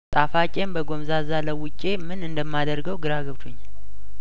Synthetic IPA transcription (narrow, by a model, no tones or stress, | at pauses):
t̪ʼafat͡ʃʼe̞mbəɡo̞mzazaləwʊt͡ʃʼːe̞mɨnɨnd̪əmːad̪əɾɡəwɡɨɾaɡəβt̪ʰuɲː